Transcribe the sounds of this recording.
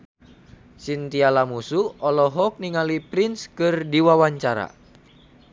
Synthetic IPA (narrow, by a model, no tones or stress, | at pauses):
sint̪ialamusuɔlɔɦɔk̚niŋalipɾinskɨrdiwawaɲt͡ʃaɾa̰